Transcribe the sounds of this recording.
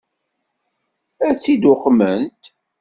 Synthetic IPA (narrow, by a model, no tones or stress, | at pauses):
æt͡sːid̪ʊχmənt̪